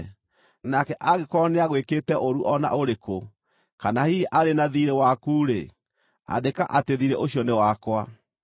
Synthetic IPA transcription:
nakɛʔaɣekɔneaɣwekeːtɛʔoɾuʔɔna̰ʔoɾeko | kanahiʔaɾenaðiɾewakuːɾe | a̰deka̰ʔateðiɾeʔoɕjɔnewakwa

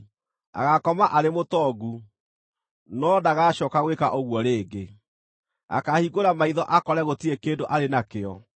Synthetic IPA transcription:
a̰ɣakɔmaʔaɾemotɔɡu | nɔdaɣaɕɔkaɣwekaʔoɣwɔɾeːɡe | a̰kahiɣoɾamaiðɔʔakɔɾɛɣotiekeːndoʔaɾenakeɔ

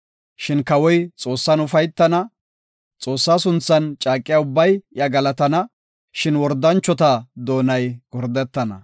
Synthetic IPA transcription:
ʃɪnkɐwɔjt͡sʼo̞ːsːɐnʊfɐjt̪ːɐnɐ | t͡sʼo̞ːsːaːsʊnt͡sːɐnt͡ʃʼaːkʼːɪjaːʊbːɐjjɐɡɐlɐt̪ɐnɐ | ʃɪnwɔɾd̪ɐnt͡ʃːɔt̪ɐd̪o̞ːnɐjɡ̥ɔɾd̪ɛt̪ːɐnɐ̰

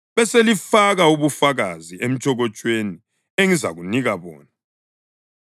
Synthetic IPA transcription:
βɛselifaɣauβufaɣaziʔem̩t͡ʃʼʰɔɣɔt͡ʃʼweni | eŋiza̰ɣuniɣaβɔ̰ːna

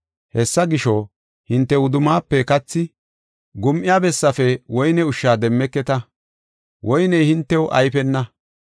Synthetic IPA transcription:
hɛsːɐɡɪʃo | hɪnt̪ːɛʊd̪ʊmaːpːɛkɐt͡sːɪ | ɡʊmʔɪjaːbɛsːɐfɛwɔjnɛʊʃːaːd̪ɛmːɛkːɛt̪ɐ | wʔɔjnɛjhɪnt̪ːɛwʊʔɐ̰jpɛnːɐ

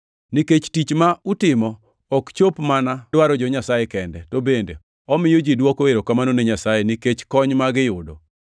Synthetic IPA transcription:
niket͡ʃtit͡ʃmautɪmɔː | kt͡ʃopmanadwaɾɔd͡ʒɔɲasajɛkɛndɛtobendḛ | ɔmɪjod͡ʒidwɔkoeɾokamanoneɲasajeniket͡ʃkɔɲmaɡɪjʊdo

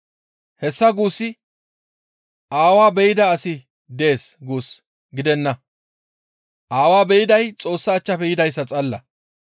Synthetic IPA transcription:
hɛsːɐɡuːsːɪ | ʔaːwaːbɛjɪd̪ɐːsɪ | d̪eːsɡuːs | ɡɪd̪ɛnːɐ | ʔaːwaːbɛjɪd̪ɐjt͡sʼo̞ːsːɐːt͡ʃːɐpɛjɪd̪ɐjsːɐt͡sʼɐlːɐ

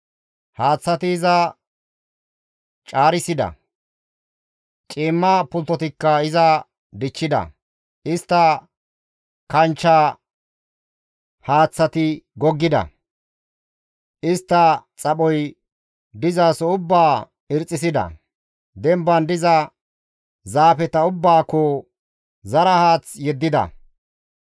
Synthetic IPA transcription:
haːt͡sːɐt̪ɪːzɐ | t͡ʃʼaːɾɪsɪd̪ɐ̰ | t͡ʃʼiːmːɐpʊlt̪ːɔt̪ɪkːɐɪzɐ | d̪ɪt͡ʃːɪd̪ɐ̰ | ɪst̪ːɐ | kɐnt͡ʃːa | haːt͡sːɐt̪ɪɡɔɡːɪd̪ɐ̰ | ʔɪst̪ːɐt͡sʼɐɓɔj | d̪ɪzaːsɔʊbːaː | ɪɾt͡sʼːɪsɪd̪ɐ̰ | d̪ɛmbɐnd̪ɪzɐ | zaːfɛt̪ɐʊbːaːkːɔ | zɐɾɐhaːt͡sjɛd̪ːɪd̪ɐ̰

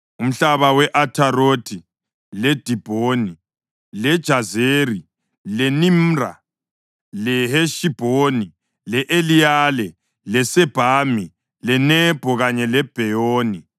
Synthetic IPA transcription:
um̩ɬaβawɛʔatʰaɾoːtʰi | lɛd̥ʱib̥ʱoːni | lɛd̥ʒ̥ʱazeri | lɛnimra̰ | lɛheʃib̥ʱoni | lɛʔelijalɛ | lɛsɛb̥ʱaːmi | lɛnɛb̥ʱɔɣaɲɛlɛb̥ʱɛjoːni

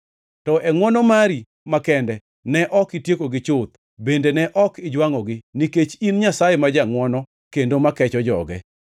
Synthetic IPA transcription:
tɔʔɛŋwɔnɔmaɾi | makɛndɛ | nɛʔɔkɪtjekoɡɪt͡ʃot̪̚ | bendenɛʔɔkɪd͡ʒwaŋɔɡɪniket͡ʃinɲasajemad͡ʒaŋwɔnɔ | kendomakɛt͡ʃɔd͡ʒɔ̰ɡɛ̰

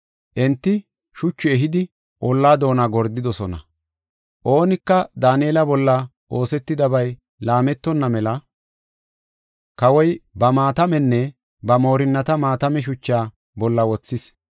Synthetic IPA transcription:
ʔɛnt̪ːɪ | ʃʊt͡ʃːʊɛɦɪd̪ɪ | ʔɔlːaːd̪o̞ːnaɡɔɾd̪ɪd̪ɔsɔnɐ̰ | ʔo̞ːnɪkːɐd̪aːneːlɐbɔlːɐ | ʔo̞ːsɛt̪ːɪd̪ɐbɐj | laːmɛt̪ːɔnːɐmɛlɐ | kɐwɔjbɐmaːt̪ɐmɛnːɛ | bɐmo̞ːɾɪnːɐt̪ɐmaːt̪ɐmɛʃ̬ʊt͡ʃːaː | bɔlːɐwɔt͡sːɪs

